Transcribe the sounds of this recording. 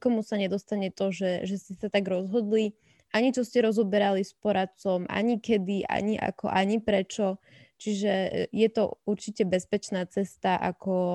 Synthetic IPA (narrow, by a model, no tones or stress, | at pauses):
kɔmusaɲɛd̪ɔst̪aɲɛt̪ɔʒɛʒɛscɛsat̪aɡɾɔzɦɔd̪li | aɲit͡ʃɔscɛɾɔzɔbɛɾalispɔɾat͡sɔmʔa̰ɲikɛd̪iʔa̰ɲiʔa̰kɔ̰ʔaɲipɾɛt͡ʃɔ | t͡ʃiʒɛjɛt̪ɔuɾt͡ʃicɛbɛspɛt͡ʃnaːt͡sɛst̪aʔa̰kɔ